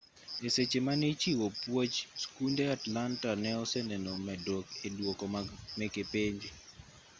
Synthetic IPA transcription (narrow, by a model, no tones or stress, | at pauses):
eset͡ʃemanet͡ʃiwopwot͡ʃskundeatlantanɛɔsɛnɛnomɛdokedwokɔmɛkepeɲd͡ʒi